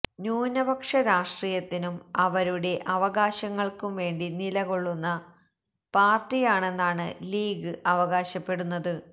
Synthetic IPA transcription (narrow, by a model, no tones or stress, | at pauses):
ɲuːnɐbɐkʂɐɾaːʂʈriːjɐt̪ːinumɐʋɐɾuɽe̞ʔɐʋɐɣaːɕɐŋːɐɭkumʋe̞ːɳɖinilɐɣo̞ɭːunːɐ | paːrtijaːɳe̞nːaːɳɨliːɡɨʔɐʋɐɣaːɕɐpːe̞ɽunːɐðɨ